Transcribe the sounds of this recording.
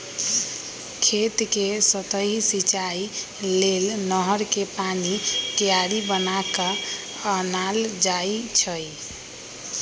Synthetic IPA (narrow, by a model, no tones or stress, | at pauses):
kʰet̪kesət̪əɦisit͡ʃai | lelnəɦəɾkepanit̪ijaɾibənakə | ənald͡ʒait͡ʃʰəj